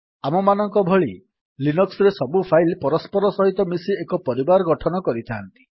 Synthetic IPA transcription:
amɔmanɔŋkɔbʱɔɭi | linɔksɔɾesɔbupʰajlpɔɾɔspɔɾɔsɔɦit̪ɔmisiekɔpɔɾibaɾɔɡɔʈʰɔnɔkɔɾit̪ʰaant̪i̥

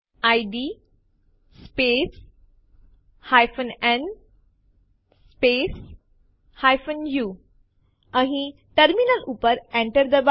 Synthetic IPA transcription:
ajɖi | spes | hajfənen | spes | hajfənju | ãɦĩ | ʈəɾminəlupəɾẽɳʈəɾd̪əb

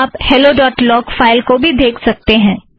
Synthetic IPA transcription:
phɛloɖɔːʈlɔːkfaːɪlkobʱid̪eːkʰsɐk̚t̪eɦɛ̃ː

